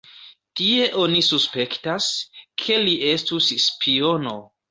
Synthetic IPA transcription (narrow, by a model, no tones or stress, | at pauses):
tie̞ʔo̞nisuspe̞ktaskʰe̞liʔe̞stusspʰio̞no̞